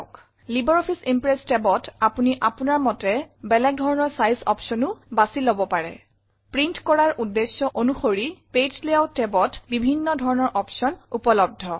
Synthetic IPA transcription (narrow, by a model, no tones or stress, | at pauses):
k | libɔɹɔpʰisimpɹestɛbɔtapuniʔapunaɹmɔtɛbɛlɛkɡ̚dʱɔɹɔnɔɹsajsɔ̰psɔnʊbasilɔbɔpaɹɛ̰ | pɹintkɔɹaɹʔudːesjɔʔonuxoɹiped͡ʒlijawtɛbɔtbibʱinːɔdʱɔɹɔnɔɹʔɔpsɔnupɔlɔb̚dʱɔ